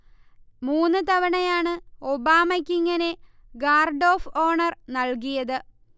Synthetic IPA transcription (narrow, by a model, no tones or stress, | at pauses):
muːnːɨt̪ɐʋɐɳɐjaːɳɨobaːmɐkʲːiŋːɐne̞ | ɡaːrɖo̞ːfo̞ːɳɐrnɐɭk̬ijɐðɨ